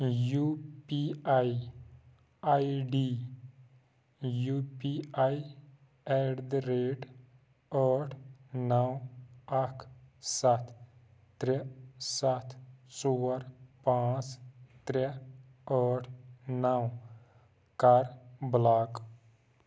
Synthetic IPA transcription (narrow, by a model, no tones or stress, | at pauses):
juːpiai | aiɖi | juːpiai | ɛɖd̪ɾeːʈ | ɔːʈʰnɐwɐkʰsat̪ʰ | t̪ɾɛsat̪ʰsoːɾpãːt͡ʃt̪ɾe | ɔːʈʰnaw | kaɾblaːk